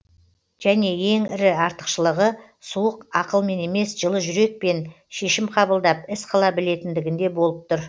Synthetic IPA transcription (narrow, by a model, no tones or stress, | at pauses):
ʒ̥æne̞je̞ŋɪɾɪɑɾt̪ə̥qʃəlˠəʁə | suəqɑqəlˠme̞ne̞me̞sʒ̥əlˠəʒʏɾe̞k̚pe̞n | ʃe̞ʃɪmqʰɑbəlˠd̪ɑp̚ɪsqʰɑlˠɑbɪle̞t̪ɪnd̪ɪɡʲɪnd̪e̞bo̞lˠəp̚t̪ʊɾ